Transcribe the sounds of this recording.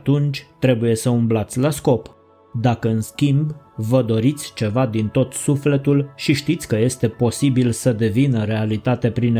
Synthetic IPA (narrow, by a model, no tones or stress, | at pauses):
t̪unt͡ʃʲt̪ɾe̞buje̞səumblat̪sʲlasko̞p | d̪akəɨnskʲimb | vəd̪o̞ɾit̪sʲt͡ʃe̞vad̪int̪o̞t̪sufle̞t̪ulʃiʃt̪it̪sʲkəje̞st̪e̞po̞sibilsəd̪e̞vinəɾe̞alit̪at̪e̞pɾin